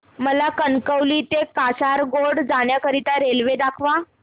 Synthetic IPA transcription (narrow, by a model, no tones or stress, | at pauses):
məlakənkəwliːt̪ekasaɾɡoɽd͡zaɽjakəɾit̪aɾelʋed̪akʰʋa